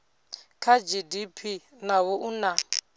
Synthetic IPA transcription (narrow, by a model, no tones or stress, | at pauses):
kʰad͡ʒidipʰi | nawoʔuna